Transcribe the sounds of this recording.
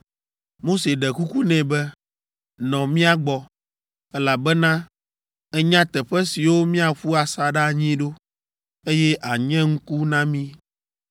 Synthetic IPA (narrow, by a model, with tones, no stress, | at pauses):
mo˦se˨ɖɛ˨ku˦ku˦nɛ̃˨bɛ˦ | nɔ̃˨mĩ˦a˨ɡ͡bɔ˨ | ɛ˦la˨bɛ˦nã˦ | ɛ˦ɲã˦t̪ɛ˨ɸɛ˦si˨wo˦mĩ˦a˨ɸu˦a˨sa˨ɖa˦ɲĩ˦ɖo˦ | e˦jɛ˦ʔa˨ɲɛ̃˦ŋ̩˦ku˦nã˦mĩ˦